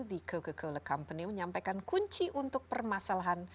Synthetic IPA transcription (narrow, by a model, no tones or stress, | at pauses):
ðiɡoɡəɡowləkampəniməɲampajkankuɲt͡ʃiʔunt̪ʊk̚pərmasalaɦan